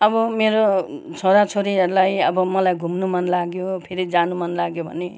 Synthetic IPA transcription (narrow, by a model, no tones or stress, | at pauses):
ʌbʌmeɾot͡sʰoɾat͡sʰoɾiʌɾulajʌbʌmʌlajɡʱumnumʌnlaɡjopʰeɾid͡zanumʌnlaɡjobʱʌ̰ne